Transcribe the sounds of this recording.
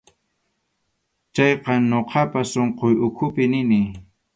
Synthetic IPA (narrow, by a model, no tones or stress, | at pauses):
t͡ʃɑjqɑɲoqɑpasoɴqojʊkʰʊpɪnɪnɪ